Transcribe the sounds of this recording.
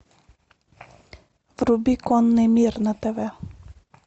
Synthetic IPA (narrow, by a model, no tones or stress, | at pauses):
vɾubikɔnːɛmʲiɾnat̪ɛvɛ